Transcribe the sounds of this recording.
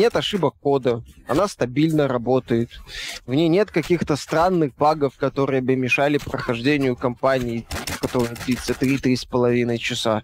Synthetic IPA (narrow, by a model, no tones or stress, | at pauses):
nʲe̞t̪ɐʂɨbəkːo̞d̪əɐ̰nast̪ɐbʲilʲnəɾɐbo̞t̪əjɪt̪vnʲejnʲe̞t̪kɐkʲixt̪əst̪ɾanːɨxbaɡəfkɐt̪o̞ɾɨjəbɨmʲɪʂalʲɪpɾəxɐʐdʲenʲɪjʊkɐmpanʲɪːkɐt̪o̞ɾɨjəd̪lʲit̪sət̪ɾʲit̪ɾʲispəlˠɐvʲinəjt͡ɕɪsa